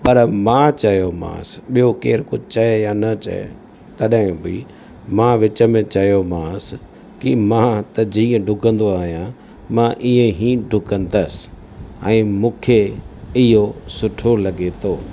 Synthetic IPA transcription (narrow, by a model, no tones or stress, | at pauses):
pɐɾmãːt͡ɕɐjomã̰sɓijokeːɾkʊd͡ʑʱt͡ɕɐejanɐt͡ɕɐ̰ḛ | t̪ɐɗɦɪ̃bi | mãːʋɪt͡ɕəmẽt͡ɕɐjomãːs | kḭmãt̪ɐd͡ʑiːə̃ɖʱʊkə̃nd̪oaːɦijã | mãʔiẽɦĩːɖʱʊkə̃nd̪əsɪ̥ | ɛ̃ːmũːkʰeɪɦosʊʈʰolɐɠet̪ʰoː